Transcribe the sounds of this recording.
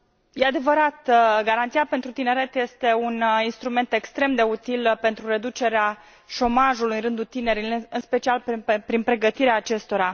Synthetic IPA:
jead̪e̞vəɾat̪ɡaɾant̪siape̞nt̪ɾut̪ine̞ɾe̞t̪je̞st̪e̞uninst̪ɾume̞nt̪e̞kst̪ɾe̞md̪e̞ut̪ilpe̞nt̪ɾuɾe̞d̪ut͡ʃe̞ɾea | ʃo̞maʒulujɨɾɨnd̪ut̪ine̞ɾilɨnspe̞t͡ʃialppɾinpɾe̞ɡət̪iɾeaːt͡ʃe̞st̪o̞ɾa

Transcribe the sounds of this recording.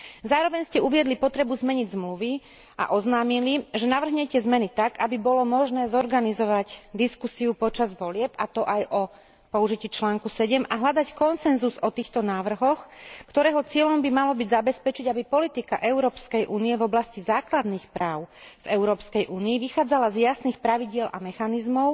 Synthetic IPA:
zaːɾɔʋɛɲscɛuʋɪɛd̪lipɔt̪ɾɛbuzmɛɲiɟzmluʋi | a̰ʔɔznaːmiliʒɛnaʋr̩ɦɲɛcɛzmɛnit̪aɡabibɔlɔmɔʒnɛːzɔɾɡanizɔʋaɟd̪iskusiupɔt͡ʃazʋɔlɪɛpat̪ɔʔajʔɔ | pɔuʒiciːt͡ʃlaːŋkusɛɟɛmaɦʎad̪ackɔnsɛnzuzɔt̪iːxt̪ɔnaːʋr̩ɦɔxkt̪ɔɾɛːɦɔt͡sɪɛʎɔmbimalɔbiɟzabɛspɛt͡ʃiɟabipɔlit̪ika̰ʔɛʊɾɔːpskɛjʔuːniɛvɔblascizaːklad̪niːxpɾaːʊvɛʊɾɔːpskɛjʔuːniːʋixaːd͡zalazjasniːxpɾaʋiɟɪɛlʔa̰mɛxanizmɔʊ

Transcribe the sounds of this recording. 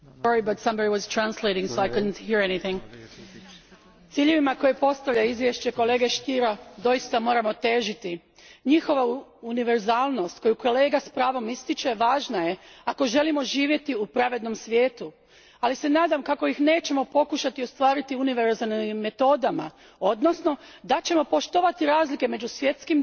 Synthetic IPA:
ɔɹibat̪sãmbadiwɔz̥t̪ɾanslejɾiŋsoajkud̪n̩t̪hiɾeniθiŋɡ | t̪siːʎe̞ʋimako̞jepo̞st̪aʋʎaizʋje̞ʃt͡ɕe̞ko̞le̞ːɡe̞ʃt̪iɾad̪o̞jist̪amo̞ːɾamo̞t̪e̞ːʒit̪i | ɲixo̞ʋauniʋe̞ɾzaːlˠno̞st̪̚ko̞juko̞le̞ːɡaspɾaːʋo̞mist̪it͡ʃe̞ʋaːʒnaje̞ako̞ʒe̞limo̞ʒiːʋje̞t̪iupɾaʋe̞d̪no̞msʋjeːt̪u | alise̞naːd̪amkako̞ixne̞ːt͡ɕe̞mo̞po̞kuʃat̪iost̪ʋaːɾit̪iuniʋeɾzalniimːe̞t̪o̞ːd̪ama̰ | o̞d̪no̞sno̞d̪at͡ɕe̞mo̞po̞ʃt̪oʋat̪iɾaːzlike̞me̞d͡ʑusʋje̞t̪skim

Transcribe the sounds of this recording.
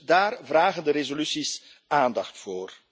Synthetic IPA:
daːrvraːɣəndəɾezolysis | aːndɑxtfoːr

